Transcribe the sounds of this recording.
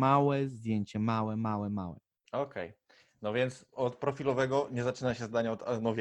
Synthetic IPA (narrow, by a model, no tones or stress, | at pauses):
mawɛzd̪ʲjeɲt͡ɕɛmawɛmawɛma̰wɛ̰ | ɔkʰɛj | nɔvʲjɛnt̪sɔt̪pɾɔfʲilɔvɛɡɔɲɛzat͡ʂɘnaɕɛzd̪aɲaɔt̪anɔvʲj